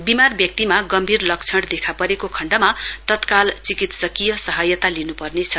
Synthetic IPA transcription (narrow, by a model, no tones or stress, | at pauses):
bimarbjʌk̚t̪imaɡʌmbʱirlʌk̚t͡sʰʌɽd̪ekʰapʌɾekokʰʌɳɖʌmat̪ʌt̪kalt͡sikit̪sʌkijʌsʌɦʌjʌt̪alinupʌrnet͡sʰʌ